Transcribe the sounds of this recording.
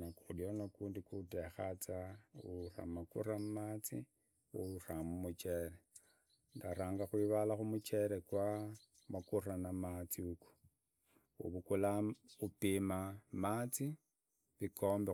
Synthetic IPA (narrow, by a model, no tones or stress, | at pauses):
nakuudjonakuːndikutexat͡saura̰makṵrammat͡sḭ | ṵuramumut͡ʃeɾe | ndaɾaːŋɡaxwiːβalaxumut͡ʃe̞ɾekwa | makuranamat͡siuku̥ | ṵβukulaupimamat͡si | βikʰo̞ːmbe